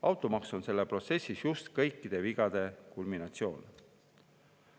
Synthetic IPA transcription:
ʔɑwt̪ˑomɑkso̞nse̞lːepro̞t̪se̞sʲːisjust̪kɤjkːˑid̪̥e̞viɡ̥ɑd̪̥e̞kulminɑt̪sio̞ːn

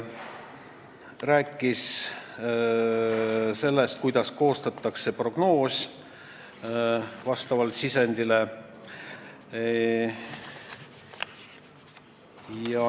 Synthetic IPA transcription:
ræːkˑːis | se̞lːest̪̚kujd̪̥ɑsko̞ːst̪ɑt̪ːˑɑkse̞pro̞ɡ̥no̞ːs | vɑst̪ɑvɑlt̪sisenʲd̪̥ile | jɑ

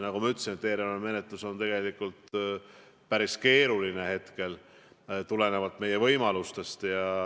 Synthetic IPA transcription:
nɑkumɑyt̪ːˑsinet̪ːeːɾeeme̞net̪ˑluso̞nt̪e̞ɡe̞likult̪ | pæɾiske̞ːɾuline̞he̞t̪ke̞l | t̪ule̞ne̞vɑt̪ːˑme̞je̞vɤ̞jmɑlust̪e̞st̪jɑ

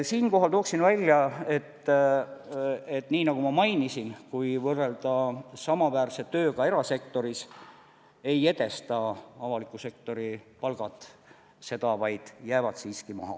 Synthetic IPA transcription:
siːnko̞ɦɑlt̪o̞ːksinvælʲːjɑe̞t̪ː | e̞t̪ːˑniːnɑɡumɑmɑjnisinkujvɤrːe̞ld̪ɑsɑmɑvæːrse̞t̪ːø̞ːɡɑe̞ɾɑse̞kt̪o̞ɾis | e̞je̞d̪e̞st̪ɑɑvɑlikːˑuse̞k̚t̪o̞ɾipɑlɡ̥ɑt̪ːˑ | se̞d̪̥ɑvɑjd̪̥jæːvɑd̪̥siːskimɑ̰ɦɑ̰

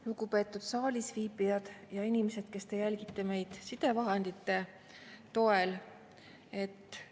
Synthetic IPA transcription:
lukupe̞ːt̪ːˑud̪̥sɑːlʲisviːpˑijɑd̪̥jɑinimese̞d̪̥ke̞st̪e̞jælʲɡ̥it̪ːeme̞jd̪̥sid̪̥e̞vɑɦend̪̥it̪ːˑe̞ | t̪o̞e̞l | e̞t̪ːˑ

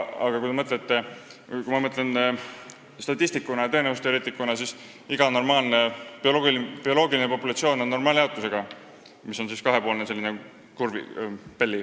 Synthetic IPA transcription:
ɑɡ̥ɑkujt̪e̞mɤt̪ˑlet̪ːe̞kumɑmɤt̪ːˑlen | st̪ɑt̪ʲːˑist̪ikːˑunɑjɑt̪eenevust̪eɾet̪ːˑikːˑunɑsis | iɡɑno̞rmɑːlnepoopio̞lo̞ːɡilinepo̞pːˑulɑt̪sio̞ːno̞nːo̞rmɑːljɑwt̪ːˑuse̞ɡ̥ɑ | miso̞nsiskɑɦe̞po̞ːlnese̞lʲːine | kurvḭpe̞lʲːi

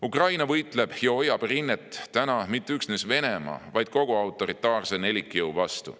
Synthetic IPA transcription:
ukrɑjnɑvɤjt̪ˑle̞b̥jɑo̞jːɑb̥rinːet̪ˑːænɑmit̪ːeyksnesve̞nemɑ̰ːvɑjd̪̥̚ko̞ɡ̥uɑwt̪ːˑo̞ɾit̪ːˑɑːrsene̞likːˑjɤwvɑst̪ṵ

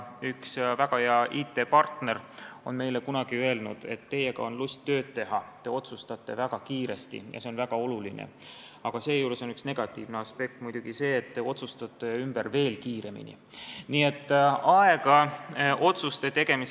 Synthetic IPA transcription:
yksvæɡ̥ɑjɑʔiːt̪ːˑe̞pɑrt̪ne̞ro̞nme̞jle̞kunɑɡ̥iøe̞lnud̪̥e̞̰t̪ːe̞jeɡ̥ɑ̰o̞nlust̪ːø̞ːd̪̥̚t̪e̞ɦɑt̪e̞ːo̞t̪sust̪ɑt̪ːe̞væɡ̥ɑkiːɾe̞st̪ḭjɑ̰se̞onvæɡ̥ɑo̞lulinḛ | ɑɡ̥ɑse̞ːjuːɾeso̞nyksne̞ɡ̥ɑt̪ːˑiːvneɑspe̞k̚t̪mujd̪̥uɡ̥ise̞ːt̪ːeo̞t̪sust̪ɑt̪ːˑe̞ymb̥erve̞ːlkiːɾe̞mḭnḭ | niːe̞t̪ːˑɑe̞ɡ̥ɑʔo̞t̪sust̪e̞t̪e̞ɡ̥e̞mis

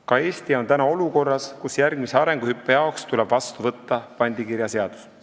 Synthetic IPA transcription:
kɑe̞ːst̪io̞nt̪ænɑo̞luko̞rːɑskusjærɡmise̞ɑɾe̞ŋɡ̥uhypːejɑokst̪ulɛb̥vɑst̪uvɤt̪ːɑpɑnʲd̪̥ikiɾjɑseɑd̪̥u̥s

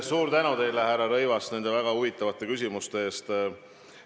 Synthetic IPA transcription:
suːɾt̪ænut̪e̞jlehærːɑɾɤ̞jvɑst̪ne̞nd̪e̞væɡ̥ɑuvit̪ːˑɑvɑt̪ˑːe̞kys̬ʲimust̪e̞e̞ːst̪

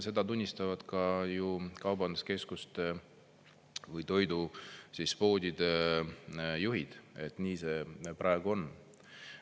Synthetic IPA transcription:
se̞d̪̥ɑt̪unʲːist̪ɑvɑd̪̥kɑjukɑwbɑnd̪̥uske̞skust̪ | vɯjt̪o̞jd̪usispo̞ːd̪̥ʲid̪̥e | juɦid̪̥e̞t̪ːˑniːse̞ːpɾɑeɡ̥uo̞n

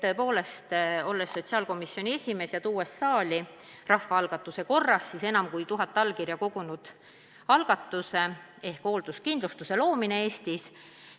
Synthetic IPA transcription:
t̪ɤ̞e̞po̞ːle̞st̪o̞lːe̞sːo̞t̪ʲsiɑːlko̞misːjo̞nʲie̞sʲime̞ːsjɑt̪uːe̞sːɑːli | rɑhːɑɑlɡ̥ɑt̪ːˑuse̞ko̞rːɑsːise̞nɑmkujt̪uɦɑt̪ˑːɑlkirjɑko̞ɡ̥unud̪̥ | ɑlɡ̥ɑt̪ːˑuse̞ | e̞hkho̞ːld̪̥uskind̪lust̪use̞lo̞ːmine̞e̞ːst̪is

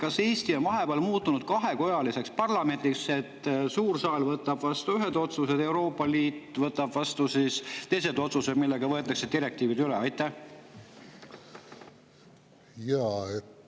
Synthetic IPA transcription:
kɑse̞ːst̪ionvɑɦe̞beɑːlmuːt̪ːˑunud̪̥kɑɦe̞ko̞jɑlise̞kspɑrlɑme̞nʲt̪ikse̞t̪ːˑsuːrsɑːlvɤt̪ːˑɑb̥vɑst̪uyɦed̪o̞t̪suse̞d̪e̞uɾo̞ːpːˑɑliːt̪ːˑvɤt̪ːˑɑb̥vɑst̪usist̪e̞js̬e̞d̪o̞t̪suse̞d̪̥milːe̞ɡ̥ɑvɤet̪ːˑɑkse̞d̪̥iɾe̞k̚t̪iːvid̪yleɑjt̪ːˑæh | jɑe

